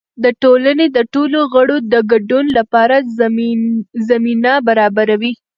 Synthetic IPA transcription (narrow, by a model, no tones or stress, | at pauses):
d̪əʈolaned̪əʈoloɣəɽod̪əɡaɖunlapɑɾa | zaminabaɾɑbaɾawi